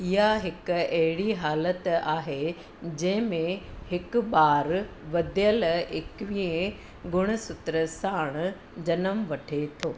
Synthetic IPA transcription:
ɪɦaɦɪkʊɐɦɪɽiɦaːlət̪aːɦe | d͡ʑɐ̃ɦɪ̃mẽhɪkʊɓaːɾ | ʋɐd̪ʱjəlɪkʋĩẽ | ɡʱʊɽ̃ʊ̆sʊt̪ɾəsaːɽ̃ | d͡ʑɐnəmʋɐʈʰet̪ʰoː

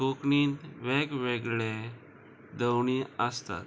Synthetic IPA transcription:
kukɳiːnt̪ʋekʋeɡɭe | d̪əwɳ̃iəst̪a̰t̪

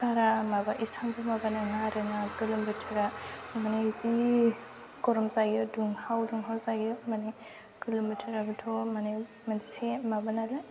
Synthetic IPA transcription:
saɾamabaʔisambɯmabanaŋaɾɯnakɯlɯmbɯtʰaɾamanazi | kɔɾɔmzaɡɔduŋhawduŋɦawzaɡiɔmane | kɯlɯmbɯtʰaɾabɯtʰɔmane | manisemabanalɯ

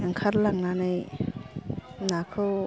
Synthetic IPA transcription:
aŋkʰaɾlaŋnanɯj | nakʰɯ

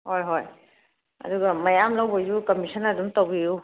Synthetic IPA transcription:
hojɦoj | ɐ̰duɡɐmɐjamlɐwbɐzukɐmisʰɐnɐdumtɐwbiju

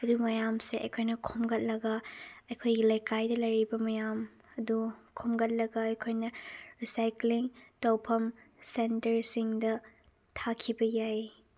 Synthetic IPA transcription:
ɐdumɐjamseʔɐjkʰojnɐkʰomɡɐt̚lɐɡɐɐjkʰojɡilɐjkajdɐlɐjɾibɐmɐjam | ɐdukʰomɡɐt̚lɐɡɐːjkʰojnɐɾisajkliŋtɐwpʰɐmsentɐɾsiŋdɐ | tʰakʰibɐjaj

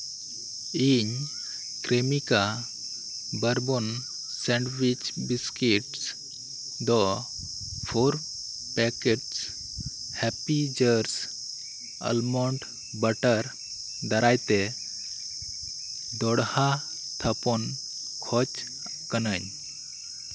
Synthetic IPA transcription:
iɲ | kɾemika | bəɾbɔn | sɛɳɖwit͡ʃbiskiʈs | d̪ɔ | pʰoɾ | pɛkeʈs | hɛpid͡ʒəɾs | ə̰lmɔɳʈ | bəʈəɾ | d̪əɾajt̪ɛ | d̪ɔɽha | t̪ʰəpɔn | kʰɔt͡ʃ | kənəɲ

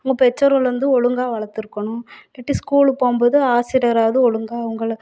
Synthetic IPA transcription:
ɐʊŋɡɐpɛt͡ʃːɐɾɯlɐnd̪ɯɔɻɯŋɡaːʋɐɭɐɾt̪ːɪɾɯkːɐɳʊ̃lɛʈːɪskuːɭpoːmbɐðɯaːsɪɾɐɾaːðɯɔɻɯŋɡaːɐʋɐŋɡɐɭ

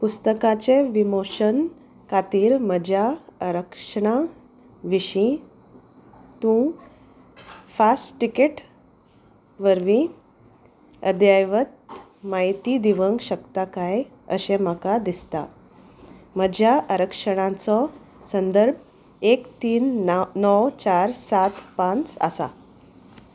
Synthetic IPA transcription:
pust̪əkat͡seʋimoɕən | kat̪iːɾməd͡ʑʱjaəɾəkʂəɳ̃a | ʋiɕĩ | t̪ũ | fasʈʈikeʈ | ʋəɾʋĩ | ə̰d̪jajʋət̪ | majt̪id̪iʋəŋɡɕəkt̪akaj | ə̰ɕẽm̤akad̪ist̪a̰ | m̤əd͡ʑʱjaʔəɾəkʂəɽ̃ãt͡sɔ | sənd̪əɾb̚ʱ | ekt̪iːnnɔwt͡ɕaɾsat̪pãnt͡sa̰sa̰

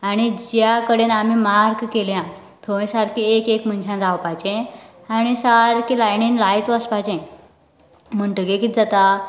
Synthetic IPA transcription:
aɽ̃id͡ʑjakəɽenamimaɾkkeljã | t̪ʰoĩsaɾkʰiekekmənt͡ɕʰãnɾawpajt͡ɕẽ | aɽ̃isaɾkilajninlajt̪ʋəspat͡ɕẽ | m̤əɳʈəɡekid͡zat̪a

